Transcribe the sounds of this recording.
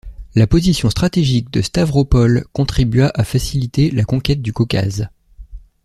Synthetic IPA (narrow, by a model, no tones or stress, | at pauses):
lapozisjɔ̃st̪χat̪eʒik̚d̪əst̪avʁopɔlkɔ̃t̪χibɥaʔafasilit̪elakɔ̃kʲɛt̪̚d̪ykɔkʲa̰z